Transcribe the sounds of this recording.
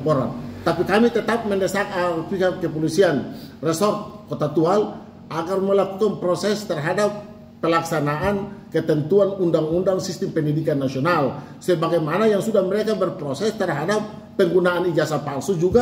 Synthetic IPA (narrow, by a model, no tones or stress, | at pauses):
poɾa̰nt̪apikamit̪ət̪ap̚mɛndɛsakafiɦat̚kəpolisianrɛsɔrt̪̚kot̪at̪ual | ʔaɡarməlakukanpɾosɛst̪ərɦadapː | əlaksanaʔankət̪ɛnt̪uanundaŋundaŋsist̪ɪmpəndidikanːasional | səbaɡajmanajaŋsudahməɾekabərpɾosɛst̪ərɦadap̚ː | əŋɡunaʔːnid͡ʒasapalsud͡ʒuɡa